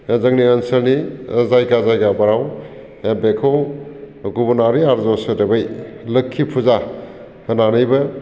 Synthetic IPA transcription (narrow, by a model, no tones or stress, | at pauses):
zɐŋniənsɐɾnizajɡazajɡabaɾaw | ebekʰow | ɡubunaɾiaɾzɔsɯdebɯjlɯkʰːipʰuza | hɐnanɯjbɯ